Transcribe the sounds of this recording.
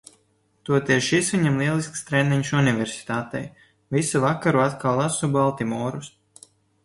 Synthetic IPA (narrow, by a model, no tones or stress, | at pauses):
t̪uɔt̪ʲɛɾʃisviɲamlˠiɛlˠiskst̪ɾɛniɲsunivʲɛɾsi̥t̪aːt̪ɛ̰j | visuvakaɾuat̪kawlˠasubalˠt̪imɔːɾus